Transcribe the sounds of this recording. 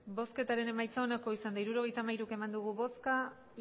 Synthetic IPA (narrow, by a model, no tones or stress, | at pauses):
bo̞ske̞t̪aɾe̞ne̞majt͡sao̞nako̞isand̪aiɾuɾo̞ɣ̞ejt̪amajɾuke̞mand̪uɣ̞uβo̞ska